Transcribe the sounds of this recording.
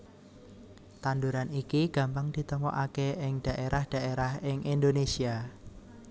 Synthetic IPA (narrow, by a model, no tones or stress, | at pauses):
t̪and̪uɾanikiɡ̥ä̤mpaŋd̥i̤t̪əmɔʔakeɪŋd̥a̤ʔeɾʔahd̥a̤ʔeɾahɪŋʔind̪onesia